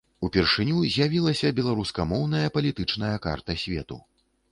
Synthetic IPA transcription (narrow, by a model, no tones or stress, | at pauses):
upʲɛrʂɨnʲuzʲjavʲilˠɐsʲɐbʲɛlˠaɾuskɐmɔwn̪ɐjɐpɐlʲit̪ɨt͡ʂn̪ɐjɐka̰rt̪ɐsʲvʲɛ̰t̪ṵ